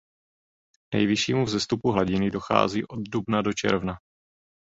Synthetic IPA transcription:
nɛ̰jvɪʃiːmuvzɛst̪upuɦlaɟɪnɪdo̞xa̰ːziːʔo̞d̪dubnado̞t͡ʃɛ̰ɾvna

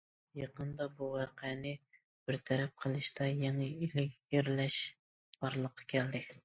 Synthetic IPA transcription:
jɑqənd̪ɑbuwɑqɛnɪ | b̥ɪɾt̪ʰɛɾɛp̚qʰəlˠɨʃt̪ɑjɛŋɛilɪkʲjeɾlɛʃ | b̥ɑɾlˠəqʰːɑ̥kʲʰɛld̪ɪ

